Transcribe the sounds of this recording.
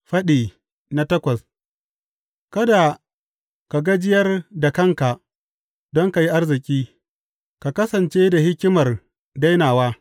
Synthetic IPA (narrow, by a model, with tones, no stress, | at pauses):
ɸɐ˦ɗiː˨ | na˦tɐ˦kʷɐ˨s | kɐ˦da˨ | ka˨ɡa˦d͡ʒɪ˦jɐ˦rda˨kɐ˦ŋka˨ʔ | dɔ˦ŋka˨ji˦ʔa˦rzɪ˨kʲʼiː˦ | ka˨kɐ˦sɐ˨nt͡ʃe˦da˨hɪ˦kʲɪ˦mɐ˨r | da˦jnaː˨waː˦